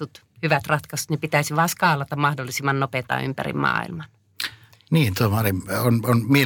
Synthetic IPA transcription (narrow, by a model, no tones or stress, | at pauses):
ut̪ | hyʋæt̪rɑt̪kɑse̥t̪nepit̪æisiʋɑːskɑːlɑt̪ɑmmɑhdolːˑisimːɑnnopet̪ɑ̰y̰mpæ̰rḭmmɑ̰ːḭlmɑn | niːnt̪uomɑlimononmie